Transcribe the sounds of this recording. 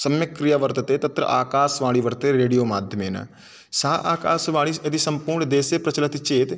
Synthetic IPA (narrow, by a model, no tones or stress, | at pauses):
səmjəkːɾijaːʋəɾt̪t̪eːt̪ət̪ɾə̰ʔaːkaːsʋaːɭiːʋəɾt̪eːɾeːɽijoːmaːd̪ʱjəmeːna̰ | saːʔaːka̰ːsʋaːɭiːəd̪isəmpuːɾɳd̪eːseːpɾət͡ʃələt̪t͡ʃeːt̪